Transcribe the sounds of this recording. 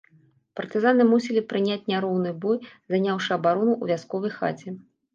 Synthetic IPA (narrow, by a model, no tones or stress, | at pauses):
pɐrt̪ɨzan̪ɨmusʲilʲipɾɨnʲat͡sʲnʲaɾɔwn̪ɨjbɔjzanʲawʂɨɐbaɾɔnuʔuvʲaskɔvɐjxa̰t͡sʲɛ